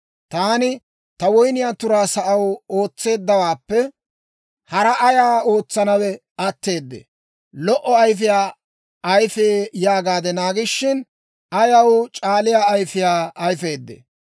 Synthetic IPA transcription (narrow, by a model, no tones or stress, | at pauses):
t̪aːnɪ | t̪ɐwɔjnɪjaːt̪ʊɾaːsɐʔɐwo̞ːt͡sːe̞ːd̪ːɐwaːpːɛ | hɐɾɐʔɐjaːo̞ːt͡sːɐnɐwɛ | ɐt̪ːe̞ːd̪ːḛ | lɔʔɔɐjf̬ɪjaː | ʔɐjfeːjaːɡaːd̪ɛnaːɡɪʃːɪn | ɐjɐwt͡ʃʼaːlɪjaɐjfɪjaːɐjfe̞ːd̪ːḛ